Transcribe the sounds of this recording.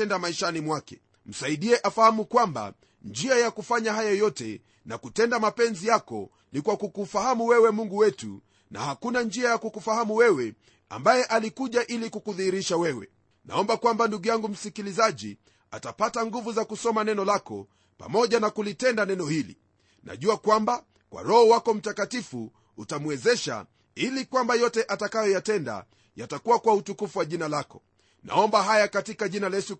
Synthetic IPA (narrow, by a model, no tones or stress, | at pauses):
ɛndamaiʃanimwakɛ̥ | m̩saiɗiɛʔafahamukwamba̰ | nd͡ʒiajakufaɲaɦajajɔtɛ̰ | nakutɛndamapɛnzijakɔ̰ | nikwakukufahamuwɛwɛmuŋɡuwɛtṵ | nʔa̰hakunand͡ʒiajakukufahamuwɛwɛ | a̰mbajɛʔalikuʄaʔilikukuðihiɾiʃawɛwɛ̰ | na̰ɔmbakwambanduɡujaŋɡum̩sikilizaʄḭ | a̰tapataŋɡuvuzakusɔmanɛnɔlakɔ̰ | pa̰mɔʄanakulitɛndanɛnɔhilḭ | na̰ʄuakwamba | kwʔa̰ɾɔhɔwakɔm̩takatifu | utamwɛzɛʃa̰ | ilikwambajɔtɛʔatakajɔjatɛnda̰ | jatakuwakwautukufuwaʄinalakɔ̥ | na̰ɔmbaɦajakatikaʄinalɛsu